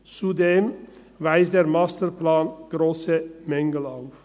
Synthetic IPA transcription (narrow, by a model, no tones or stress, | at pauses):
t͡sudeːm | vaɪsdeːʁmaːstəɾplaːnɡ̥ʁoːsəmɛŋəl̩aʊf